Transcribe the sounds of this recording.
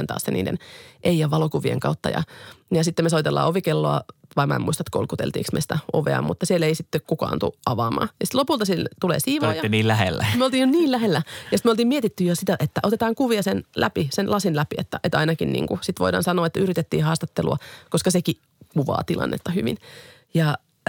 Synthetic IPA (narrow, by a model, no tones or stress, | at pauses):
nt̪ɑ̰ːsːenḭːdḛnʔeijɑʋɑlokuʋiḛŋkɑut̪ːɑ̰jɑ̰jɑsit̪ːemesoit̪elːɑ̰ːoʋikelːoɑ̰ʋɑimæ̰emuist̪ɑet̪ko̰lkut̪ḛlt̪ḭːksmḛsi̥t̪æoʋḛɑ̰mut̪ːɑsieleisit̪ːekkukɑ̰ːnt̪ṵʔɑʋɑːmɑ̰ːjɑsi̥t̪lopult̪ɑsielt̪ulḛːsiːʋoːjɑniːlæhḛlːæmeolt̪iːjoniːllæhelːæjɑsit̪molt̪iːmiet̪it̪ːyjosit̪æʔet̪ːæʔot̪et̪ɑːŋkuʋiɑsenlæpisenlɑsinlæpiḛt̪ːæʔet̪ɑinɑkinnḭːŋkusit̪ʋoidɑ̰ːnsɑnoːet̪ːæyɾit̪et̪ːḭːhɑːst̪ɑt̪ːeluɑkoskɑseki | kuʋɑ̰ːt̪ilʔɑ̰nːḛt̪ːɑhyʋḭn | jɑ